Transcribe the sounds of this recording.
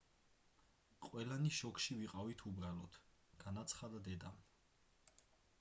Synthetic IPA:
qʼwɛlaniʃɔkʰʃiviqʼavit̪ʰubɾalɔt̪ʰɡ̥anat̪sʰχad̪ad̪ɛd̪am

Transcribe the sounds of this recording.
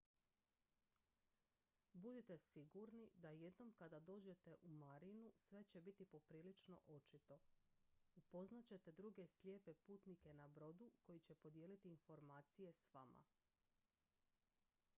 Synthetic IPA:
bud̪it̪e̞siɡuɾnid̪aje̞d̪no̞mkad̪ad̪o̞ːd͡ʑe̞t̪e̞ʔumaɾinusʋe̞t͡ɕe̞bit̪ipo̞pɾiːlit͡ʃno̞̰ʔo̞t͡ʃit̪o̞ | upo̞znat͡ɕe̞t̪e̞d̪ɾuɡe̞slʲje̞ːpepuːt̪nike̞nabɾo̞d̪uko̞jit͡ɕe̞po̞d̪jeːlit̪iːnfo̞ɾmaːt̪sije̞sʋa̰ma̰

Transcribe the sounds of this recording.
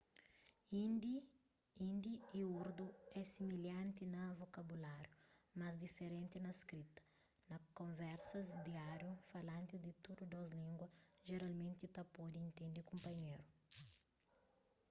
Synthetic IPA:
ind̪i | ĩnd̪iiuɾd̪uɛsimiljãnt̪inɐvokɐbulaɾjumɐzd̪ifeɾẽnt̪inɐskɾit̪ɐ̥ | nɐkõɱvɛɾsɐzd̪iaɾjufɐlãnt̪id̪it̪ud̪ud̪ɔzlĩŋɡwɐʒeɾalmẽnt̪it̪ɐpɔd̪iĩnt̪ẽnd̪ikõmpɐɲejɾu

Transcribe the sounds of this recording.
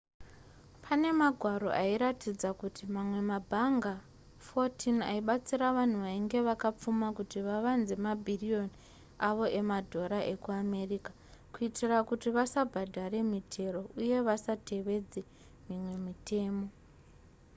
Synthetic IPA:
pʰane̞maɡʱwaɾo̞̰ʔaiɾatid͡zakutimamwe̞mabʱaŋɡa | fo̞tʰinaiɓat͡siɾaʋan̤uʋaiŋɡe̞ʋakap͡fumakutiʋaʋanze̞mabʱirio̞ni | aʋo̞ʔe̞madʱo̞ɾaʔe̞kuame̞rika | kuitirakutiʋasabʱadʱaɾe̞mitʰe̞ro̞ʔuje̞ʋasate̞ʋe̞d͡ze | mimwe̞mite̞ːmo̞

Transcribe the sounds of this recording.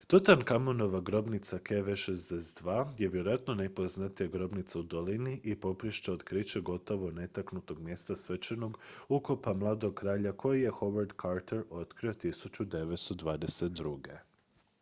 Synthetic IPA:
t̪ot̪ankamono̞ʋaɡɾo̞bnit̪sakʰeʋeʃezd̪esed̪ʋaːjeʋʲje̞ɾoat̪nonepoznat̪ijaɡɾo̞bnit̪saud̪o̞liniʔipo̞pɾiʃt͡ʃeod̪kɾit͡ɕeɡo̞t̪o̞ʋo̞ne̞t̪aknut̪o̞ɡmje̞st̪asʋet͡ʃeno̞ɡukopamlˠaːd̪o̞ɡ̚kɾaːʎakʰo̞jije̞xo̞ʋaɾd̪kʰaɾt̪eɾo̞t̪kɾio̞t̪isut͡ɕud̪e̞ʋet̪st̪od̪ʋaːd̪eset̪d̪ɾuɡe

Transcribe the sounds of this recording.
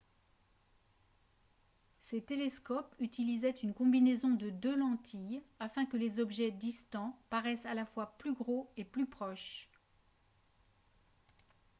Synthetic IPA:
set̪eleskɔpyt̪ilizɛt̪ynkɔ̃binezɔ̃d̪əd̪ølɑ̃t̪ʰijafɛ̃kəlezɔbʒɛd̪ist̪ɑ̃paʁɛsalafwaplyɡʁoeplypχɔʃ

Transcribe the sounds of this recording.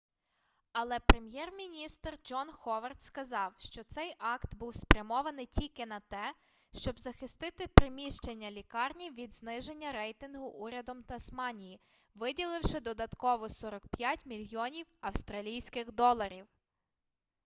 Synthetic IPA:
ɐlˠɛpɾemjɛrmʲinʲist̪rd͡ʒɔnxɔʋɐrt̪skɐzɑwʃt͡ʃɔt̪sɛjʔɑkt̪buwspɾʲɐmɔʋɐnɪjtʲilʲkɪnɐt̪ɛ | ʃt͡ʃɔbzɐxɪst̪ɪt̪ɪpɾɪmʲiʃt͡ʃenʲːɐlʲikɑrnʲiʋʲid̪znɪʒe̞nʲːɐɾɛjt̪ɪnɦʊʔuɾʲɐd̪ɔmt̪ɐsmɑnʲiji | ʋɪdʲilˠɪwʃɪd̪ɔd̪ɐt̪kɔʋɔsɔɾɔkpjatʲmʲilʲjɔnʲiwɐwst̪ɾɐlʲijsʲkɪxd̪ɔlˠɐɾʲiw

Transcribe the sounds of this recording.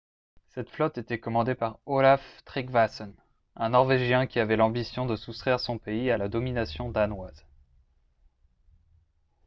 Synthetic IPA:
sɛt̪flɔt̪et̪ɛkɔmɑ̃d̪epaʁolaft̪χiɡvasɔn | ɛ̃nɔʁveʒjɛ̃kʲiavɛlɑ̃bisjɔ̃d̪əsust̪χɛʁsɔ̃peialad̪ɔminasjɔ̃d̪anwaz

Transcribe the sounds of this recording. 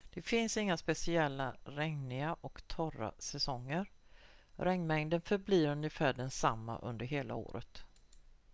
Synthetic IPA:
d̪̥ɛfɪnsɪŋːaspɛsɪɛlːaɾɛŋnɪaʔɔkt̪ʰɔɾa̰sɛsɔŋːəɾ | ɾʔɛŋːmɛŋd̪ənfœɾbliːɾɵnjəfæːɖɛnsamːa̰ʔɵ̰nd̪əɾɦeːla̰o̰ːɾət̪

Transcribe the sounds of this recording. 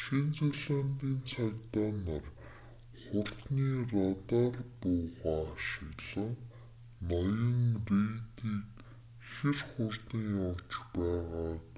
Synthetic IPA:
ʃent͡seɮant̪iːnt͡sʰajt̪aːnar | χʊr̥t̪niːrɔt̪aːrpʊːʁaːʃɪ̆ɣɮə̆ŋ | nɔjə̆ŋreːt̪iːk | xerχʊrt̪iŋjɔwt͡ɕpæːʁaː

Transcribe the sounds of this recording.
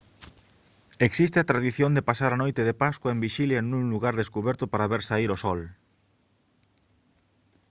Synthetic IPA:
eksist̪eat̪ɾaðiθjond̪epasaɾanojt̪eðepaskwaembiʃiljanũŋluɣaɾðeskuβɛɾt̪ʊpaɾaβeɾsaiɾosɔl

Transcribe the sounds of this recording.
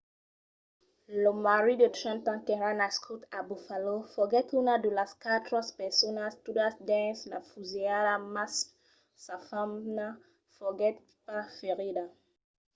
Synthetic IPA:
lomaɾidət̪ʃãnt̪ãkẽɾãnaskʰut̪abufalofɔɡɛt̪unadəlaskat̪ɾɔspɛsonast̪udasd̪ɛ̃nsla̰fuzeadamas | safamna | foɡɛt̪̚ | pafeʁida

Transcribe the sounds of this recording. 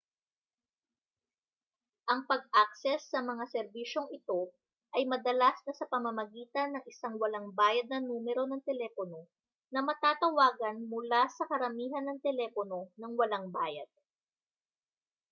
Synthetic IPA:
ʔɐŋpɐɡ̚ʔak̚sɛsːɐmɐŋasɛɾbiːʃo̞ŋɪt̪o̞ | ʔɐjmɐd̪ɐlasnɐsɐpɐmɐmɐɡiːt̪ɐnːɐŋɪsaŋwɐlɐŋbaːjɐd̪̚nɐnuːmɛɾo̞nɐŋt̪ɛlɛːpono̞ | nɐmɐt̪aːt̪ɐwaːɡɐnmʊlasɐkɐɾɐmiːɦɐnːɐŋt̪ɛlɛːpono̞nɐŋwɐlaŋbaːjɐd̪̥̚

